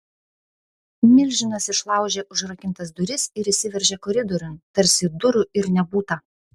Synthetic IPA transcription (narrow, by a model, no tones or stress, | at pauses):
mʲɪlʲʒʲɪnɐsɪʃlˠɑˑʊʒʲeːʔʊʒɾɐkʲɪnt̪ɐsd̪ʊɾʲɪsɪɾisʲɪʋʲɛɾʲʒʲeːkɔɾʲɪd̪ɔɾʲʊmt̪ɐɾʲsʲɪd̪ʊɾʊɪɾnʲɛbuːt̪ɐ